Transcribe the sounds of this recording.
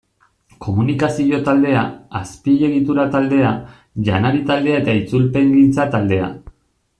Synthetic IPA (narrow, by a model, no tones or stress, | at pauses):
kʰo̞munikasio̞t̪ald̪e̞aːspiʎe̞ɣit̪uɾat̪ald̪e̞a | ʝanaɾit̪ald̪e̞ae̞t̪ait͡sulpe̞ŋɡint͡sat̪ald̪e̞a̰